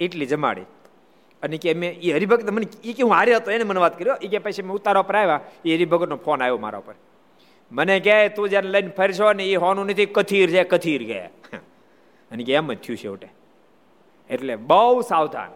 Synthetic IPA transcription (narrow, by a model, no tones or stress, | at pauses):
eʈlid͡ʒəma̰ɽḭ | ənekeəmeiɦəɾibʱəɡət̪neməneikeɦũaːɾjeɦət̪oeneməneʋaːt̪kəɾjoʔik̬epəjt͡ʃʰemeʊt̪ːaɾaupəɾajʋãiɦəɾibʱəɡət̪nõpʰoːnajoma̰ɾa̰upəɾ | mənekat̪õd͡ʒjaɾnləjnpʰəɾt͡ʃʰoneiɦoʋanũnət̪ʰikət̪ʰiɾd͡ʒekət̪ʰiɾɡḛj̰ | ənekeɛmːət̪ʰijũt͡ʃʰḛuʈe | eʈleɓəwsaʋd̪ʱa̰n